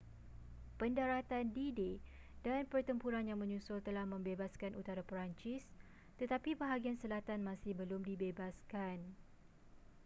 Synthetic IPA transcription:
pəndaɾat̪andide | danpərt̪əmpuɾanjaŋmə̃ɲũsʊlt̪əlahmə̃mbebaskanʔut̪aɾapəɾaɲt͡ʃɪs | t̪ət̪apibəɦaɡiansəlat̪anmasɪhbəlʊmdibebaskan

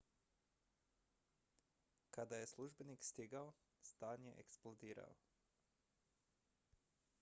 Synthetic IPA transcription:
kad̪ajesluʒbenikst̪iɡao | st̪aːnjɛ̰ʔeksplod̪iːɾa̰o

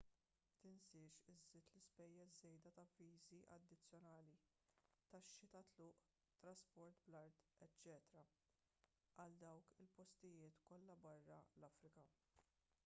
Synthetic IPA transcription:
t̪ɪnsɪːʃɪzːɪːt̪lɪspɛjːɛs̬ːɛjd̪ɐt̪ɐviːziʔɐ̰d̪ːɪt͡sːjɔnɐːli | t̪ɐʃːɪt̪ɐt̪lʊːʔ | t̪ɾɐspɔɾt̪blɐɾd̪ɛt͡ʃːɛːt̪ɾɐ | ʔɐld̪ɐwkɪlpɔst̪ɪjɪːt̪kɔlːɐbɐrːɐlɐfɾɪkɐ

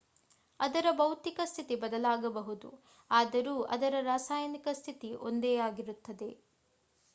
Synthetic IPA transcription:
ɐd̪ɐɾɐbɐwt̪ikɐst̪ʰit̪ibɐd̪ɐlaːɡɐbɐɦud̪ṵ | aːd̪ɐɾuːʔɐ̰d̪ɐɾɐɾaːsaːjɐnikɐst̪ʰit̪iʔo̞nd̪ɛjaːɡiɾut̪ːɐd̪e̞

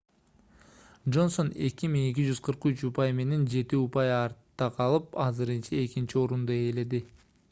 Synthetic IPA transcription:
dʒo̞nso̞ne̞̰kimiŋe̞k̬id͡ʒyz̥qʰɯɾqyt͡ʃupajme̞ne̞nd͡ʒe̞t̪iupɑjɑɾt̪ːɑqʰɑlˠɯpɑzɨɾɯnt͡ʃɑe̞kint͡ʃio̞ɾund̪oe̞le̞d̪i

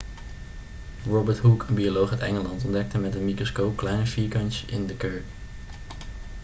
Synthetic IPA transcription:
ɹɔbəɹtɦukʰənbiolowχətɛŋəlɑntɔndɛk̚təmɛtdəmikrɔskowp̚klɛjnəfiːɹkɑnt͡ʃʔɪndəkɜɹk

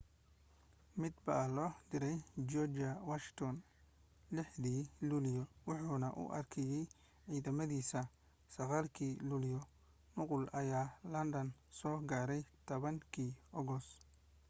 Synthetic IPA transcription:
mɪd̪bɐlɔːd̪ɪɾɛjd͡ʒɔd͡ʒɐwaʃɪt̪ʰɔn | lɪħðiːluljɔwʊħuːnɐʔʊ̰ʔɐ̰rkʰɛjɛj | ʕiːðɐmɐðiːsɐ | sɐɣaːlkʰiːluːljɔ | nʊqʊlɐjaːlɐnd̪ɐnsɔːɡaːɾɛjt̪ʰɔβɐŋkʰiːɔɣɔs

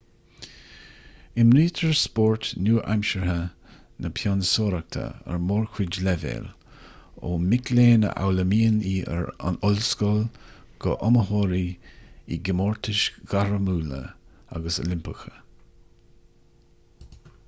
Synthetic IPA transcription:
ɪmɾiːt̪ʰəɹspɔɹt̪nuːɹʔa̰mʃəɹhə | nʔəpʰjansoːɾak̚t̪ʰə̰ə̰ɹmoːɹkʰwɪd͡ʒlɛvḛːl | o̰ːmɪkʰleːnə̰ʔa̰wləmiːəniːə̰ɹa̰nɔlskɔl | ɡ̥ɔʔɔməhoːɾiiɡɪmoːɹt̪ʰɪʃɡ̥aɹəmuːlə̰a̰ɡəsə̰lɪmpəxə

